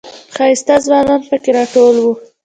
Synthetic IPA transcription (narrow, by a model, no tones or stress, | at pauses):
xɑɪst̪azwɑːnɑnpəkeɾɑʈolwu